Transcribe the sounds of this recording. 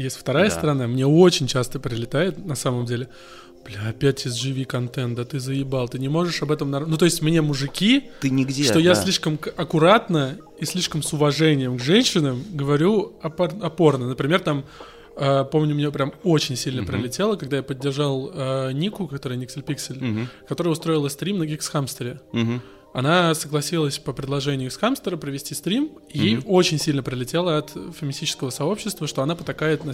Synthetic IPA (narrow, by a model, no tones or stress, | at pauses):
jesʲtʲft̪ɐɾajəst̪əɾɐnamnʲe̞o̞t͡ɕɪnʲt͡ɕast̪əpɾʲɪlʲɪt̪ajɪt̪nɐsaməmdʲelʲɪ | b̥lʲɐpʲætʲɪzʐɨvʲikɐnt̪ɛnd̪ət̪ɨzəjɪbalˠt̪ɨnʲɪmo̞ʐɨʂɐbɛt̪əmnɐnut̪o̞ɪsʲtʲmnʲe̞mʊʐɨkʲit̪ɨnʲɪɡʲʂt̪o̞jasʲlʲiʂkəmɐkʊɾat̪nə | isʲlʲiʂkəmsʊvɐʐɛnʲɪjəmɡʐɛnʲɕɪnəmɡəvɐɾʲuɐpɐɐpo̞rnənəpɾʲɪmʲe̞rt̪am | əpo̞mnʲʊmnʲepɾʲamo̞t͡ɕɪnʲsʲilʲnəpɾʲɪlʲɪtʲe̞lˠəkɐɡd̪ajapədʲːɪrʐalˠənʲikʊkɐkt̪oɾəjnʲiksʲɪlʲpʲiksʲəlʲkɐt̪o̞ɾəjəʊst̪ɾo̞ɪlˠəst̪ɾʲimnəɡʲɪksxamst̪əɾʲɪ | ɐnasəɡlˠɐsʲilˠəsʲpəpɾʲɪd̪lˠɐʐɛnʲɪjʊsxamst̪əɾəpɾəvʲɪsʲtʲist̪ɾʲim | iot͡ɕɪnʲsʲilʲnəpɾʲɪlʲɪtʲe̞lˠəɐt̪fʲɪmʲɪsʲit͡ɕɪ̥skəvəsɐo̞pɕːɪst̪vəʂt̪o̞ɐnapət̪ɐkajɪt̪nɐ